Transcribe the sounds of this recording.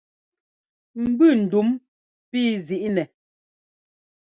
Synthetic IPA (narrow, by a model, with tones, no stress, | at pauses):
m̩˨bʉ˦˨n̩˨du˨˦m | pi˦zi˨ʔnɛ˨